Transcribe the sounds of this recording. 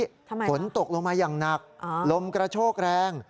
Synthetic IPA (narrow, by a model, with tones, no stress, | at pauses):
o˩˦nt̪o˨˩k̚loː˧ŋmaː˧jaː˨˩ŋna˨˩k̚lo˧mkɾa˧t͡ɕʰoː˥˩k̚ɾɛː˧ŋ